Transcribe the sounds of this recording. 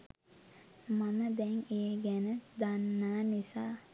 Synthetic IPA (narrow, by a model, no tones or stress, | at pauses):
maməd̪ɛŋeːɡænəd̪anːaːnisaː